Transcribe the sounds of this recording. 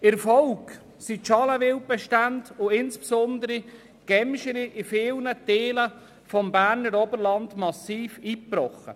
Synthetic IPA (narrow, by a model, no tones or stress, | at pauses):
ɪɾfɔlk | siʃɑləʋɪltbɛʃtandʊɪnspsɔndəɾi | ɡ̥ɛmʃəɾiʔɪfɪːlnəteːlə | fɔmbæːɾnəɾɔbəɾlɑndmɑsiːfiːprɔχə̰